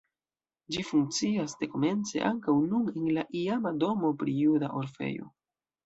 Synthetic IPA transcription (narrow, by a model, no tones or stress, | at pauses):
d͡ʒifuŋk̚t͡siasde̞ko̞me̞nt͡se̞̰ʔaŋkawnunenlaʔiamado̞mo̞pɾijudaʔo̞ɾfe̞̰jo̞̰